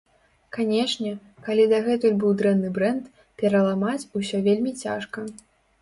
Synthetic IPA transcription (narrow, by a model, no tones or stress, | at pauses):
kanʲɛʂnʲɛ | kalʲid̪ɐɣɛt̪ulʲbɨwd̪ɾɛnːɨbɾɛnt̪ | pʲɛɾɐlˠamat͡sʲusʲɔvʲelʲmʲit͡sʲa̰ʂkɐ